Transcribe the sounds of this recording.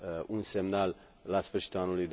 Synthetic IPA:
unse̞mnal | lasfɨrʃi̥t̪ulanulujd̪

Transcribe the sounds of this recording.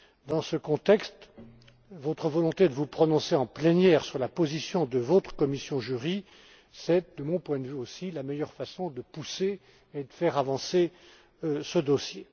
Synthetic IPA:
d̪ɑ̃səkɔ̃t̪ɛkst̪ | vot̪χəvɔlɔ̃t̪ed̪əvupχɔnɔ̃seɑ̃plɛnjɛːʁsyʁlapozisjɔ̃d̪əvot̪χə̥kɔmisjɔ̃ʒyʁi | sɛd̪əmɔ̃pwɛ̃d̪vyosilamɛjœʁfasɔ̃d̪əpuseː | d̪əfɛʁavɑ̃se | səd̪ɔsje

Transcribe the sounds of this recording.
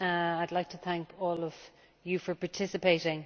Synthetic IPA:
aɪdlaɪk̚tʰəθæ̃ŋkʰɔːləv̥ | jəfə˞pʰaːɹtʰɪsɪpeɪɾɪ̃ŋ

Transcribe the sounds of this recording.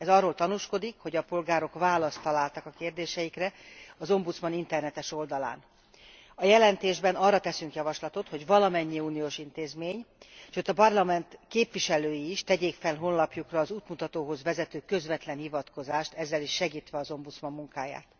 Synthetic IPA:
ɛzɒrːoːlt̪ɒnuʃko̞d̪ikho̞ɟɒpo̞lɡaːɾo̞kʋaːlɒst̪ɒlaːlt̪ɒkɒkeːrd̪eːʃɛjikrɛɒzo̞mbut̪smɒnint̪ɛrnɛt̪ɛʃo̞ld̪ɒla̰ːn | ɒjɛlɛnt̪eːʒbɛnɒrːɒt̪ɛsyŋkjɒvɒʃlɒt̪o̞t̪ho̞ɟvɒlɒmɛɲːiuːnijoːʃint̪eːzmeːɲʃøːt̪ɒpɒrlɒmɛnt̪keːpʋiʃɛløːjiːʃt̪ɛɟeːkfɛlɦo̞nlɒpjukrɒːzuːt̪mut̪ɒt̪oːɦo̞zvɛzɛt̪øːkø̞zʋɛt̪lɛnhivɒt̪ko̞zaːʃt̪ɛzːɛliʃːɛɡiːt̪ʋɛɒzo̞mbut̪smɒmːuŋkaːja̰ːt̪

